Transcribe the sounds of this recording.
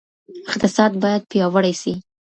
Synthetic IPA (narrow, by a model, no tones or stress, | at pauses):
ɪqt̪ɪsɑd̪bɑjad̪̚pjɑwəɽajsi